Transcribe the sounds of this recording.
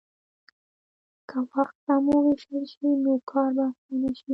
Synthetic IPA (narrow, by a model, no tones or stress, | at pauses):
kʰawaxt̪̚ːamuweʃəlʃinokʰɑɾbast̪anaʃi